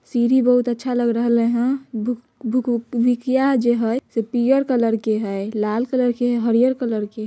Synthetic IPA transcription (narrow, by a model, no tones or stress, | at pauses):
siɾibəɦut̪ətːʃʰaləɡɾəɦəleɦə̃b | bʱukbikjad͡ʒeɦəjsepijəɾkələɾkeɦəjlalkələɾkeɦɛɦəɾijəɾkələɾke